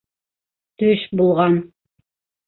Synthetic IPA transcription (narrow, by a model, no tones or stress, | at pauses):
t̪ɵʃbulˠʁɑn